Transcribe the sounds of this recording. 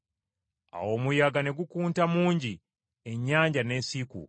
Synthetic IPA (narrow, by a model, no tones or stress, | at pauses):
a̰wo̞ːmujaɡane̞ɡukuːntamuːɲɟi | e̞ɲːaːɲɟane̞ːsikṵ